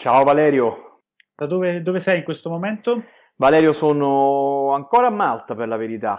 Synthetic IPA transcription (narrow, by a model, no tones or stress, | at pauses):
t͡ʃaːovalɛːɾjo | d̪̥ad̪oːved̪oːvesɛjiŋkwest̪omomɛnt̪o | valɛːɾjosoːnoaŋkoːɾamːalt̪aperlaveɾit̪a